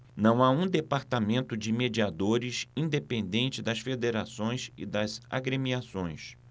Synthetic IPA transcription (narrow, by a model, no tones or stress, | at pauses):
nɐ̃w̃aũd̪epaɾt̪amẽnt̪ʊd͡ʒɪmed͡ʒiad̪oɾɪsĩd̪epẽnd̪ẽnt͡ʃɪd̪ɐsfed̪eɾasõj̃sɪ̰d̪ɐza̰ɡɾemiasõj̃s